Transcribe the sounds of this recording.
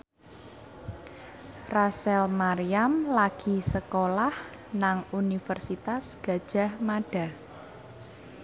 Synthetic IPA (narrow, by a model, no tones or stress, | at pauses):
rasɛlmaɾijamlaɡ̥i̤səkolah | naŋunifərsit̪asɡ̥a̤d̥ʒ̥a̤hmaɖ̥a̤